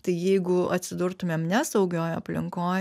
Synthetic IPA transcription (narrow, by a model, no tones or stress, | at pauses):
t̪ɐɪjɛɪɡʊɐt̪ʲsʲɪd̪ʊrt̪ʊmʲeːmnʲɛsɐʊɡʲoːjɐ̰pʲlʲɪ̰ŋkoː